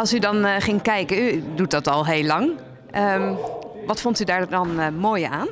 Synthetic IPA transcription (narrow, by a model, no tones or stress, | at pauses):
ɑlˠsydɑnχɪŋkɛjkədut̚dɑtɑlˠɦeːlɑŋ | əm | ʋɑtfɔntydaːɹdɑnmoːjaːn